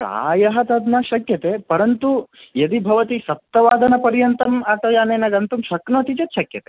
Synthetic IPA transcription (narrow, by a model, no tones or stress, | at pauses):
ɾa̰ːjɐɦɐt̪ɐd̪nɐʃɐkjɐt̪eːpɐɾɐnt̪ujɐd̪ibʱɐʋɐt̪iʃɐp̚t̪ːɐʋaːd̪ɐnɐpɐɾjɐnt̪ɐmaːʈɐjaːneːnɐɡɐnt̪umʃɐknoːt̪it͡ʃɐt̪ʃɐkjɐt̪eː